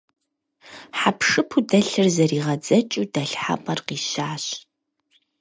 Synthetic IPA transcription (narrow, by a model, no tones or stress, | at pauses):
ħapʰʂɨpʰudɐɬɨrzɐriːʁɐd͡zɐt͡ʃʼuːdɐɬħa̰pʼɐrqiːɕaːɕ